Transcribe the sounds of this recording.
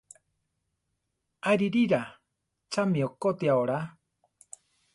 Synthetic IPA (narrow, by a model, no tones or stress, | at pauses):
ajɾiɾiɾa | t͡ʃamiokot̪iaoɾa